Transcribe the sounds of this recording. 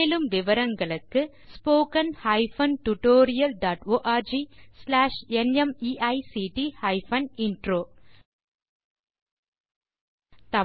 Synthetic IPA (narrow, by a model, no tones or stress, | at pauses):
lɯmʋɪʋɐɾɐŋɡɐɭɯkːɯ | spoːkɐnhɐɪfɐnʈʊʈoːɾɪjɐlɖaːʈoːʔaːɾd͡ʒislaːʂɛnɛmiːʔɐɪsiʈihɐɪfɐnɪnɖɾoː | t̪ɐ